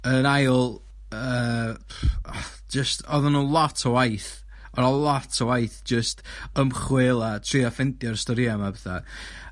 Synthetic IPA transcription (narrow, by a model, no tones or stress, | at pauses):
ənajlˠ | ə | d͡ʒəstʰɔðənulˠatʰɔwajθ | ɔɾalˠatʰɔwajθd͡ʒəstəmχwɪlˠatʰr̥iɔfɛntjɔrstɔɾiamabɛθa̰